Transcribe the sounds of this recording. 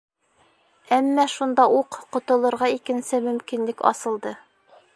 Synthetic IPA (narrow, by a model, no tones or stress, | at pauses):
æmːæʃund̪ɑʔuqqŏt̪ŏlˠɤ̆ɾʁɑikɘ̆nsɘmɵ̆mkinlɘkɑ̰sɤ̆lˠd̪ɤ